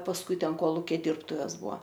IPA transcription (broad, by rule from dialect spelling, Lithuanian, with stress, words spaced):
pɐsˈkʊɪ ˈtʲɛn ˈkoːlˠʊkʲɛ ˈdʲiːrptʊʋʲɛs ˈbʊɐ